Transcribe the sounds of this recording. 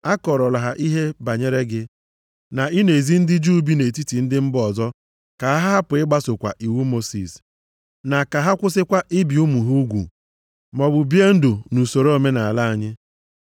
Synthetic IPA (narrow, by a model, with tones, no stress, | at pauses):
a˦kɔ˨ɾɔ˨la˨ɦa˨ʔi˦ɦe˦ba˨ɲe˦ɾe˦ɡɪ˦ | na˨i˦ne˨zi˦n̩˦dɪ˦d͡ʒu˦bi˦ne˨ti˦ti˨n̩˦dɪ˦m̩˦bɔ˨zɔ˦ | ka˨a˦ɦa˦a˦pʊ˨ɪ˦ɡ͡ba˦sʊ˨kʷa̰˨ʔi˨wu˦mo˦sḭ˨s | na˨ka˨ɦa˦kʷʊ˦sɪ˦kʷa˦ʔɪ˦bi˨u˦mu˨ɦu˦ɡʷṵ˨ | mɔ˨bʊ˨bje˦n̩˦dʊ˨nu˨so˨ɾo˨me˦na˨a˨la˦a˨ɲɪ˦